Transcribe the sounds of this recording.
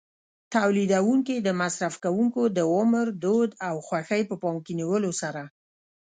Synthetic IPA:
t̪awlid̪awuŋkid̪əmasɾafkawuŋkod̪əʊməɾd̪od̪awxwaxəjpəpɑmkeniwəlosaɾa

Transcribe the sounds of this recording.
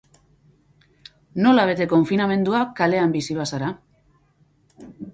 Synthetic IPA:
no̞laβe̞t̪e̞ko̞ɱfiname̞nd̪uakale̞ambisiβasaɾa

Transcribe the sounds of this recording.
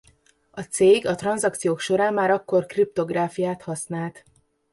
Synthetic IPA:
ɒt̪seːɡɒt̪rɒnzɒk̚t̪sijoːkʃo̞ɾaːmmːaːɾɒkːo̞rkrip̚t̪o̞ɡraːfijaːt̪hɒsnaːlt̪

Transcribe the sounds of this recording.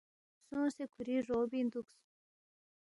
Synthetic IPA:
sũsekʰuɾiʐobind̪uks

